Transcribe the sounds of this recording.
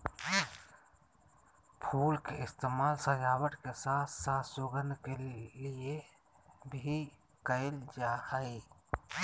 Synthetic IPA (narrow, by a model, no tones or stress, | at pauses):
pʰulkeist̪emalsəd͡ʒawəʈkesat̪ʰsat̪ʰsoɡənd̪ʱkellie | bʱi | kəeld͡ʒahəj